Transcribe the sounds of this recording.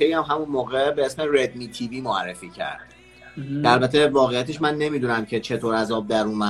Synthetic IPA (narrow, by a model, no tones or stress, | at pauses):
ejæmɦæmunmoːɣebe̞esmeɾed̪mit̪ʰiviːmoærːefiːcʰæ̰ɾd̪̥ | ælbæt̪ʰe̞vɒːɣe̞jæt̪ʰeʃmænːe̞miːd̪unæmcʰe̞t͡ʃʰe̞t̪ʰoːɾæzɒːb̚d̪æɾuːmæ